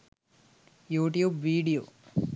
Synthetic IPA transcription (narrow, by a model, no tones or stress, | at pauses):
juːʈijuːbʋiːɖijoː